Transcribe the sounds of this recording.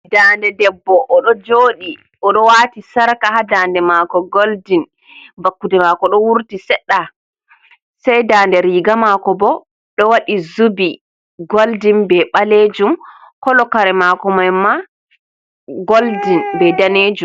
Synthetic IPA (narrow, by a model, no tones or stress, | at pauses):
daːndɛdɛbːɔʔːɗɔd͡ʒoːɗi | ʔɔɗɔwaːtisaɾkahadandɛmakɔɡoldin | bakːudɛmakɔɗɔwuɾtisɛɗːa | sɛjdaːndɛɾiɡamakɔbɔ | ɗɔwaɗizubi | ɡoldinbɛɓaled͡ʒum | kɔlɔkaɾɛmakɔmajma | ɡoldinbɛdaned͡ʒum